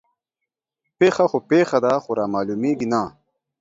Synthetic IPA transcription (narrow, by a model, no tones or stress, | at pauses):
peːxɐxopeːxɐd̪axoɾaːmaːluːmiːɡinaː